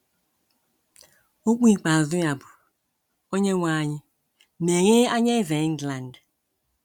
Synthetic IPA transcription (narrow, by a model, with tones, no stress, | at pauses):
o˦k͡pi˦˨k͡pa˨zu˦ja˨bʊ˨ | o˦ɲe˦wʷa˦˨ɲɪ˦ | me˨ɣe˦a˦ɲe˦ve˨˦ŋ˦ɡla˨nd